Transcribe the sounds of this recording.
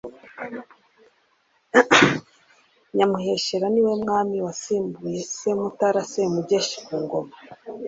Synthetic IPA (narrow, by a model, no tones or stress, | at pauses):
ɲamuhe̞ʃeɾaniwe̞mŋaːmiwasiːmbujesemutaɾasemuɟeʃi̥kuːŋɡo̞ma